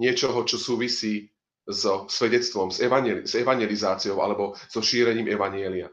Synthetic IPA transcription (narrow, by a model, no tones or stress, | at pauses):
ɲɪɛt͡ʃɔɦɔt͡ʃɔsuːʋisiː | zɔsʋɛɟɛt͡st̪ʋɔmzɛʋaɲɛzɛʋaɲjɛlizaːt͡sijɔʊʔa̰lɛbɔz̥ɔʃiːɾɛɲiːmʔɛʋaɲɪɛlia